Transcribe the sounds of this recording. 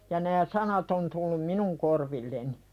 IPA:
jɑ næː sɑnɑt on tulːum minuŋ korʋilːeni

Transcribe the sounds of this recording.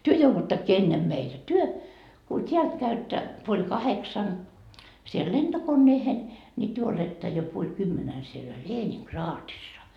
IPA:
tyø jouʋutːɑkːiː enːem meitæ ko tyø ku tʲiælt kæytːæ puolʲ kɑheksɑn siel lentokonːeːhen nʲi tyø oletːɑ jo puolʲ kymːenæn sielæ leːniŋkrɑːtisːɑ

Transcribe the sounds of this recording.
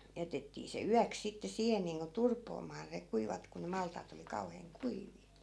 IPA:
jætetːiː se yæks sitːe siːhen niːŋko turpoːmɑː ne kuiʋɑt ku ne mɑltˑɑːt oli kɑuheːŋ kuiʋˑiː

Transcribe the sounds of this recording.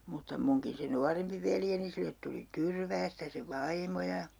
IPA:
mutːɑ muŋkin se nuɑrempi ʋeljeni silːet tuli tyrʋæːstæ se ʋɑimo jɑ

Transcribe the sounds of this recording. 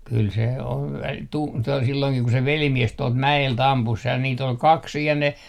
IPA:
kyl se om mut kyl se on tu to silːoiŋkih ku se ʋelimies tuɔlt mæelt ɑmpus sej jɑ niːt ol kɑks siːj jɑ ne

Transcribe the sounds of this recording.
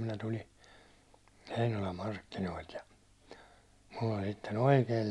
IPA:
minæ tuli heinolɑm mɑrkːinoilt jɑ mulː olʲ sitːen̞ oikeːl

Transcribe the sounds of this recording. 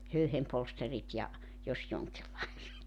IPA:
høyhempolsterit jɑ jos joŋkilːɑiset

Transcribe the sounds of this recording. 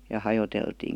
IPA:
jɑ hɑjoteltiːn̞

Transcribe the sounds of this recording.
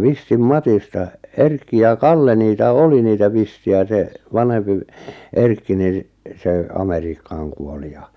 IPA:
ʋistim mɑtistɑ erkːi jɑ kɑlːe niːtæ oli niːtæ ʋistiæ se ʋɑnhempi ʋ erkːi nin̞ seˑ ɑmeriːkːɑːŋ kuoli jɑ

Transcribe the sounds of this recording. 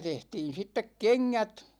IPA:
tehtiːn̞ sitːek keŋːæt

